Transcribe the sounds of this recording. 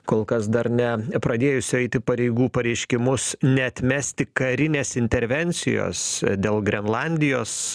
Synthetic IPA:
koːlˠkɐsd̪ɐɾnʲɛpɾɐd̪ʲeːjʊsʲɪɛɪt̪ʲɪpɐɾʲɛɪɡuːpɐɾʲɛɪʃʲkʲɪmʊsnʲɛɐt̪ʲmʲæːsʲt̪ʲɪkɐɾʲɪnʲeːsɪnʲt̪ʲɛɾʲʋʲɛnʲt͡ssʲɪ̰jo̰ːsd̪ʲeːlˠɡɾʲɛnlˠɑːnʲd̪ʲɪjoːs

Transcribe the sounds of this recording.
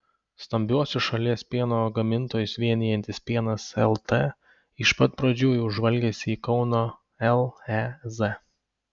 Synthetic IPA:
st̪ɐmʲbʲuɔsʲʊʃɐlʲiɛspʲiɛnoːɡɐmʲɪnˑt̪oːjʊsʋʲiɛnʲɪjɛnʲt̪ʲɪsʲpʲiɛnɐsɛlˠt̪eː | ɪʃpɐt̪̚pɾɐd͡ʒʲuːjuʒʋɐlʲɡʲɛsʲɪiːkɒʊnoː | ɛlˠɛzɛ

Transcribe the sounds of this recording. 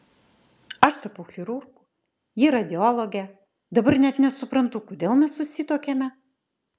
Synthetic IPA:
ɐʃt̪ɐpɐʊxʲɪɾuɾɡʊ | jiɾɐd̪ʲɪoːlˠoɡʲɛ | d̪ɐbɐɾnʲɛt̪nʲɛsʊpɾɐnt̪ʊkʊd̪ʲeːlˠmʲɛssʊsʲɪt̪oːkʲemʲɛ

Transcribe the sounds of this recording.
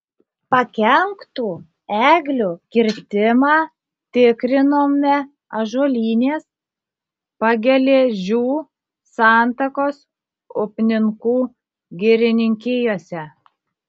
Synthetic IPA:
pɐkʲɛŋkt̪uː | æːɡlʲuːkʲɪɾʲt̪ʲɪmɑː | t̪ʲɪkɾʲɪnoːmnʲɛ | ɐʒuɔlʲiːnʲeːs | pɐɡʲɛlʲeːʒʲuː | ɑːˑnt̪ɐkoːs | ʊpʲnʲɪŋkuː | ɡʲɛɾʲɪnʲɪŋʲkʲeːjoːsʲɛ

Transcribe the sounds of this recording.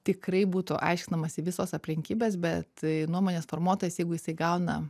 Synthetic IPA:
t̪ʲɪkrɐɪbuːt̪ʊʔɐ̰ɪʃʲkʲɪnɐmɐsʲɪʋʲɪsoːsɐpʲlʲɪŋʲkʲiːbʲeːsbʲɛt̪nuɔmoːnʲeːsfoːrmuɔt̪oːjɛsjɛɪɡʊjɪsɐɪɡɐʊnɐ

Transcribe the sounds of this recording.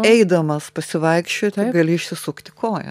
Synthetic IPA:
ɛɪd̪ɐmɐspɐsʲɪʋɐɪkʃʲt͡ʃʲoːt̪ʲɪɡɐlʲɪɪʃʲsʲɪsʊkt̪ʲɪ̥koːjɛ̰

